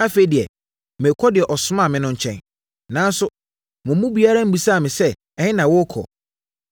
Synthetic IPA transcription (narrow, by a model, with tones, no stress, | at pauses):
a˦fe˨i˦dɪ˨ɛ˨ | mɪ̃˨kʰɔ˦dɪ˨ɛ˨ʔɔ˨sʊ˦mã˦˨mɪ̃˦nʊ̃˦ɲ̩˨t͡ɕʰɛ̰̃˦n | nã˨˦n˦sʊ˦ | mʊ̃˨mũ˦bi˨a˦ɾa˦m̩˦bu˨sa˦˨mɪ̃˨sɛ˦ | ɛ˨ɲɪ̃˦nã˨wʊ˦kʰɔ̰˨